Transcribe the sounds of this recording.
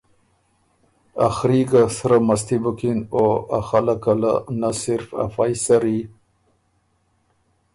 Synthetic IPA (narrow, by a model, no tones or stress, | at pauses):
axɾikasɾamas̬t̪ibukinoaxalakala̰nasɪɾfa̰fajsaɾi